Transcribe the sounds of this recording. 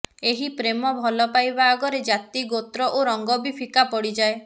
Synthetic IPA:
eɦipɾemɔbʱɔlɔpajbaːɡɔɾed͡ʒat̪iɡot̪ɾɔʔoɾɔŋɡɔbipʰikapɔɽid͡ʒae

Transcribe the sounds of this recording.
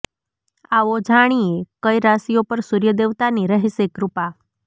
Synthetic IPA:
aʋod͡ʒʱaɽ̃iekəjɾasijopəɾsuɾjəd̪eʋt̪aniɾəɦisekɾupa

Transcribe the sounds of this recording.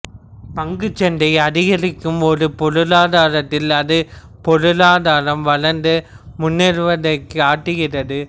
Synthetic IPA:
pɐŋɡɯt͡ʃːɐnd̪ɐɪɐðɪɣɐɾɯkːɯmɔːðɯpɔɻɯlaːðaːɾɐt̪ːɪlɐðɯ | pɔɻɯlaːðaːɾɐmʋɐɭɐɾnd̪ɯmʊnːɪɾɯʋɐðɐɪkːɯaːʈːɯɣɪrɐðɯ

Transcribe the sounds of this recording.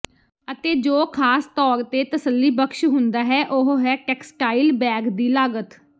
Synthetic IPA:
ət̪eːd͡ʒoːkʰaːst̪ɔːɾt̪eːt̪əsəlːiːbəkʃɦʊnd̪aːɦɛːʔoɦɦɛːʈɛːksʈaːilbɛːɡd̪iːlaːɡət̪

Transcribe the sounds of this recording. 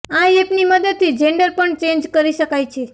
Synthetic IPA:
ãẽepniməd̪əd̪̚t̪ʰid͡ʒeɳɖəɾpəɳt͡ʃẽnd͡ʒkəɾiʃəkajt͡ʃʰe

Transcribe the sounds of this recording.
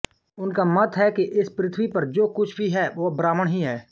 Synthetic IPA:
ʊnkamɐt̪ʰɦɛkeʔɪspɾɪt̪ʰʋipɐɾd͡ʒoːkʊt͡ʃʰbʱiɦɛːʋobɾaːməɽ̃ɦiɦɛː

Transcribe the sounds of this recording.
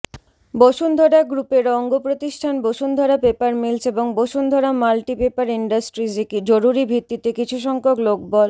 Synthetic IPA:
boʃund̪ʱɔɽaɡɾupeɾɔŋɡopɾot̪iʃʈʰanboʃund̪ʱɔɾapepaɾmilseboŋboʃund̪ʱɔɾamalʈipepaɾiɳɖasʈɾid͡ʑekid͡ʑoɾuɾibʱit̪ːit̪ekit͡ɕʰuʃ̬ɔŋkoklok̚bɔl

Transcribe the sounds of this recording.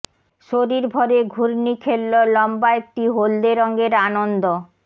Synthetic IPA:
ʃoɾiɾbʱɔɾeɡʱuɾnikʰelːolɔmbaek̚ʈiɦold̪eɾɔŋɡeɾanond̪o

